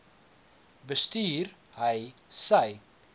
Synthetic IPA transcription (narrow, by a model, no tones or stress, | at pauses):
bəstyːrɦəjsəj